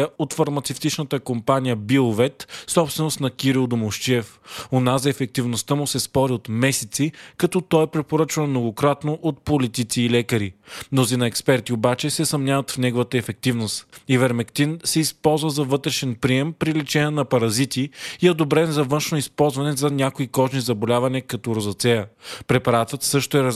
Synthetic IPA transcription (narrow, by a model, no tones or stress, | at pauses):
əot̪fɐɾmɐt̪sɛft̪it͡ʃnət̪əkompanijəbilˠvɛt̪sɔpst̪vɛnost̪nɐkiɾilˠd̪omoʃt͡ʃiɛf | onazɐɛfɛk̚t̪ivnost̪əmusɛspɔɾiot̪mɛsɛt̪sikɐt̪ɔt̪ɔɛpɾɛpoɾət͡ʃvənmnoɡokɾat̪noʔot̪̚polit̪it̪siːlɛkəɾimnozinɐɛkspɛɾt̪iobat͡ʃɛsɛsɐmnʲjavət̪fnɛɡovət̪əɛfɛk̚t̪ivnost̪ivɛɾmɛkt̪insɛispɔlˠzvəzɐvɤt̪ɾɛʃɛnpɾiɛmpɾilit͡ʃɛnənɐpɐɾɐzit̪iiɛod̪obɾɛnzɐvɤnʃnoispɔlˠzvɐnɛzɐnʲakoikɔʒnizɐbolʲavɐniəkɐt̪ɔɾozɐt̪sɛjəpɾɛpɐɾat̪vət̪sɤʃt̪oɛɾ